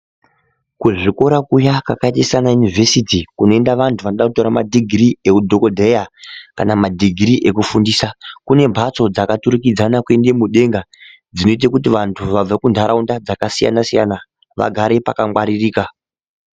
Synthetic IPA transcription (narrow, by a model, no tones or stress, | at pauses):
kuʐiko̞ɾakujakakaitisanajunivʱe̞sitikuno̞e̞ndaʋantʰuʋanoɗakuto̞ɾamadʱiɡʱriekudʱo̞kodʱejakanamadʱiɡʱriʔe̞kufundiːsakune̞mbʱat͡so̞d͡zakatuɾikid͡zanakwe̞nde̞muɗe̞ŋɡa | d͡zino̞it̬akutiʋantʰuʋab͡vakundʱaɾʔaundad͡zakasija̰nasija̰na | ʋa̰ɡʱaɾe̞pakamwaɾiriːka